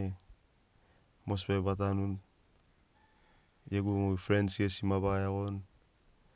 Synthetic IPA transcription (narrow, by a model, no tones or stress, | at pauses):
e | mospebat̬anun | jeɡumoifɾensiesimaβaaɣon